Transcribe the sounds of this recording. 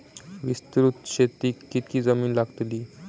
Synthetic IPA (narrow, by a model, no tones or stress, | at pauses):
ʋist̪ɾut̪ɕet̪iːkːit̪̚kiːd͡zəmiːnlaɡt̪liː